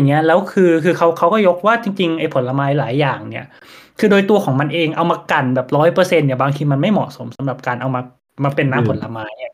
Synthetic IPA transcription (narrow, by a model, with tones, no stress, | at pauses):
ŋːi˦˥ɐlɛː˦˥wkʰɯː˧kʰɯː˧kʰa˦˥wkʰa˦˥wkɔː˥˩jo˦˥k̚waː˥˩t͡ɕi˧ŋt͡ɕi˧ŋʔa˧˩jpʰo˩˦nla˧maː˧˥jlaː˩˦jːaː˨˩ŋni˥˩ɐ | kʰɯː˧doː˧jt̪u˧ɐkʰɔː˩˦ŋma˧nʔeː˧ŋʔa˧wmaː˧ka˨˩nbɛː˨˩p̚ɾɔː˦˥jpɤː˧se˧nːi˧˩ɐbaː˧ŋk̪ʰiː˧ma˧nma˥˩jmɔ̰˨˩so˩˦msa˨˩˦mɾa˨˩p̚kaː˧nʔa˧wmaː˧ | maː˧pe˧nːaː˦˥pʰo˩˦nla˧maː˧jni˥˩